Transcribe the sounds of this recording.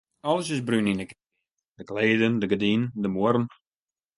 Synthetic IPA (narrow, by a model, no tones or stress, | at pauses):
ɔləsɪsbryninək | d̥əkleːdəndəɡədindəmoəɾən